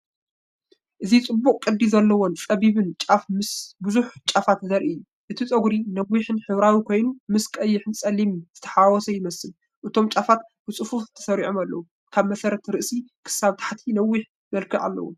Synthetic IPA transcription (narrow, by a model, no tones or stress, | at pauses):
ʔɨzit͡sʼɨbːukʼkʼɨd̪izɐlːɐwont͡sʼɐβiβɨnt͡ʃʼafmɨsbɨzuħt͡ʃʼafat̪zɐɾʔiɨjːu | ʔɨt̪ʰit͡sʼɐɡɾinɐwːiħɨnħɨβɾawikʰo̞jnumɨskʼɐjːɪħɨnsʼɐlimzɨt̪ʰɐ̥ħawɔsɐjɪmɐsɨl | ʔɨt̪ʰo̞mt͡ʃʼafat̪̚b̥ɨt͡sʼɨfufɨt̪ʰɐ̥sɐɾiʕomalːɐ̰wu | kʰaβmɐsɐɾɐt̪ɾɨʔsikʰɨ̥saβt̪ʰḁħt̪ʰinɐwːiħ | mɐlkʰiʔa̰lːɐ̰wṵm